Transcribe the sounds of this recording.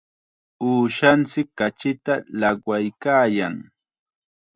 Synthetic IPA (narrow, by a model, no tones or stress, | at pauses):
uːʃant͡sɪkːat͡ʃɪt̪alaɢwajkaːjaŋ